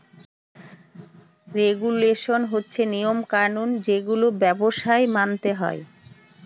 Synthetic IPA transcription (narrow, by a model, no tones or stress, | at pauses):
ɾeɡuleʃonɦotːɕʰenijomkaɾnund͡ʑeɡulobɛboʃaemant̪eɦɔ̰e